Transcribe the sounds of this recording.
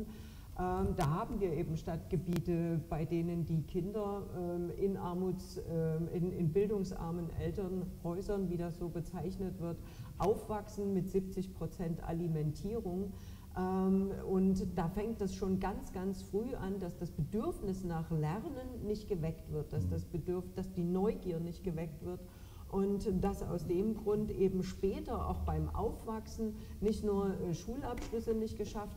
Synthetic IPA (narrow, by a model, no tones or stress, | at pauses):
ʔɛːd̥aːɦaːbm̩viːɐʔeːbm̩ʃtatɡ̥əbiːtəb̥aɪdeːnəndiːkʰɪndɐʔɛːʔɪnʔaɐmuːt͡sɛʔɪnɪnbɪldʊŋsʔa̰ɐmənʔɛ̰ltɐnhɔʏzɐnviːdasz̥oːbət͡saɪçnətv̥ɪɐt | ʔaʊfv̥aksn̩mɪtz̥ip̚t͡sɪçpʁ̥ot͡sɛntʔa̰limɛntʰiːʁʊŋ | ʔɛːmʊntd̥aːfɛŋkt̚d̥asʃoːnɡant͡sɡ̥ant͡sfʁ̥yːʔandasd̥asb̥ədʏɐfnɪsnaːχlɛʁnənːɪçtɡ̥əvɛktv̥ɪɐt̚d̥asd̥asb̥ədd̥asd̥iːnɔʏɡiːɐnɪçtɡ̥əvɛk̚tv̥ɪɐt | ʔʊntd̥asa̰ʊsd̥eːmɡʁʊntʔeːbm̩ʃpɛːtɐʔa̰ʊxb̥aɪmʔa̰ʊfv̥aksn̩nɪçtnuːɐʃuːlapʃlʏsənɪçtɡ̥əʃaft